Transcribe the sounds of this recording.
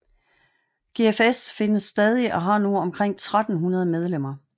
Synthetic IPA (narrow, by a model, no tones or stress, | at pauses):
ɡ̥e̝efesfe̝nəsːd̥ɛːð̞ˠiʔɒ̽ɦɑ̈nuɒ̽mkʰʁeŋ̰t͡sʰʁad̥n̩ɦunɐð̞ˠmeð̞ˠlem̰ɐ